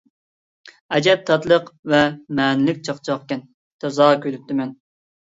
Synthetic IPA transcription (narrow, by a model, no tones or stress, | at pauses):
ɛd͡ʒɛp̚t̪ʰɑt̪lˠəqvɛmɛːnɪlɪkʲt͡ʃʰɑqt͡ʃʰɑqkʲɛn | t̪ʰɑzɑːkʲølyp̚t̪ɪmɛn